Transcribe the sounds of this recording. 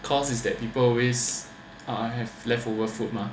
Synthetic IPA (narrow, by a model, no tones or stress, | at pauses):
kʰɔsisdɛt̚pipəlɔwes | aɦɛvlɛftovəfut̚ma